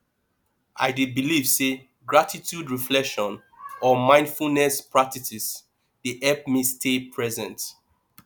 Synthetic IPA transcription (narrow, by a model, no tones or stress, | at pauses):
ʔa̰ɪdebilivse | ɡɹatitʰjudɹiflɛkʃɔ̃n | ɔmãɪ̃nd̥fulnɛspɹatisis | diʔɛp̚mestʰepʰɹɛzɛ̃nt